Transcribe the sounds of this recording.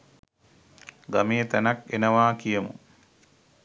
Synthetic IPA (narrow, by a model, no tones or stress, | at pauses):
ɡamijət̪ænakenəʋaːkijəmṵ